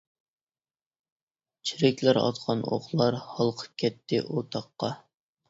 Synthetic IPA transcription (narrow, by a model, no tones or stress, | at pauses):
t͡ʃʰiɾɪkʲlæɾɑ̰t̪qʰɑno̰χlˠɑɾhɑlˠqʰə̥p̚kʲʰɛt̪ʰːɪʔot̪ʰɑqːɑ